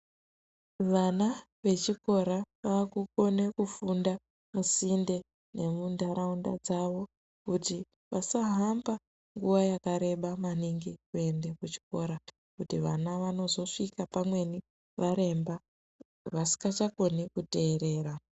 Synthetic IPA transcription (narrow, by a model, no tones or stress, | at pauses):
ʋana | ʋe̞t͡ʃiko̞ɾaʋakuko̞ne̞kufunda | musinde̞ | ne̞mundaɾaunda̰d͡zaʋo̞ | kuti | ʋasaɦamba | ŋɡuʋajakaɾe̞ɓamaniŋɡikue̞nde̞kut͡ʃi̥ko̞ɾa | kutiʋanaʋano̞zo̞ʂikapamwe̞ni | ʋaɾe̞mba | ʋasi̥kat͡ʃako̞nikute̞ːɾe̞ːɾa